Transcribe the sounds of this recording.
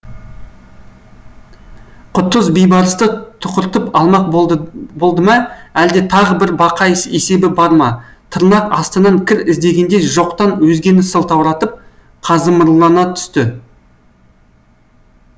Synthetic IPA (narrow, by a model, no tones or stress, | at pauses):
qʰʊt̪ːəzbejbɑɾəst̪ət̪ʰʊqəɾt̪əpɑlˠmɑqbo̞lˠd̪əmɑæld̪e̞t̪ʰɑʁəbɪɾbɑqɑɪse̞se̞bɪbɑɾmɑ | t̪ʰəɾnɑqɑst̪ənɑŋkʲʰɪɾɪzd̪e̞ɡʲe̞nd̪e̞ʒo̞qt̪ɑnwɵzɡʲe̞nɪsəlˠt̪ʰɑwɾɑt̪əp̚ | qʰɑzəməɾlˠɑnɑt̪ʰʏ̥st̪ɪ